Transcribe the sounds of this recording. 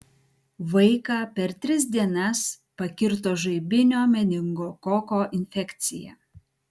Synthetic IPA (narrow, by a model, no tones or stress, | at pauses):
ʋɐɪkɑːpʲɛɾt̪ʲɾʲɪs̬d̪ʲiɛnɐs | pɐkʲɪɾt̪̬oːʒɐɪbʲɪnʲoːmʲɛd̪ʲɪŋɡoːkɔkoːʔɪnʲfʲɛkʲt̪sʲɪjɛ̰